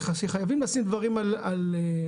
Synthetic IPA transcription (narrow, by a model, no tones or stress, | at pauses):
aʃeχajavimlaːsimd̪vaʁimalale